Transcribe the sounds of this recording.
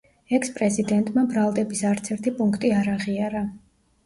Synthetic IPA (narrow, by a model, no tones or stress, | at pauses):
ɛkʰspʼɾɛzid̪ɛnt̪ʼmabɾalˠd̪ɛbisaɾt̪sʰɛɾt̪ʰipʼuŋkʰt̪ʼiaɾaʁiaɾa